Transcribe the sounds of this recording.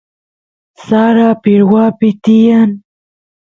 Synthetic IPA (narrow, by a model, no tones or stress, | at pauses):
sɑːɾapiɽwaːpit̪ijan